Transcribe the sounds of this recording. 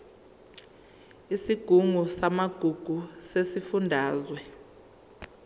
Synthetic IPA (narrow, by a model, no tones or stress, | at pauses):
isiɡ̥ʱuŋʱusamaɡ̥ʱuɡ̥ʱusesifundʱaːzwɛ